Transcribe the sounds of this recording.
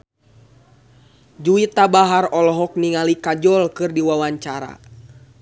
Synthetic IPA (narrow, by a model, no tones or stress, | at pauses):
d͡ʒuit̪abaɦarɔlɔɦɔk̚niŋalikad͡ʒɔlkɨrdiwawaɲt͡ʃaɾa̰